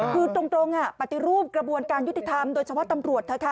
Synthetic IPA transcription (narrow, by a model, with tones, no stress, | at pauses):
kʰɯː˧t͡ɕo˧ŋt̪o˧ŋʔa˨˩pa˨˩t̪i˨˩ɾuː˥˩p̚kɾa˧bu˧ənkaː˧nju˦˥t̪i˨˩t̪ʰa˧mdoː˧t͡ɕʰa˧pʰɔ˦˥˩t̪a˧mɾu˨˩ət̪̚ʰːa˧˩kʰa˦˥˩